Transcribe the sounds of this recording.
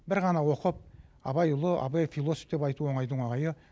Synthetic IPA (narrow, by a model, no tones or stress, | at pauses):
bɪɾʁɑnɑwo̞qəp̚ɑ̰bɑjʊlˠəʔɑ̰bɑjfilˠo̞so̥fd̪e̞pɑjt̪uwo̞ɴɑjd̪əɴwoɴɑjə